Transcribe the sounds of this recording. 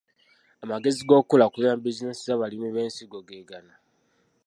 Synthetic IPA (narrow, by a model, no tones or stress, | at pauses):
amaɡe̞ziɡo̞ːkulakulambizinesizaβalimuβeːnsiɡoɡeːɡana